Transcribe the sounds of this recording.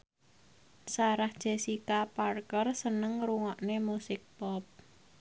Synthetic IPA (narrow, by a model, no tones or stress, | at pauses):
saɾahd̥ʒ̥e̤sikaparkərsənəŋɾuŋɔʔnemusɪk̚pɔp̚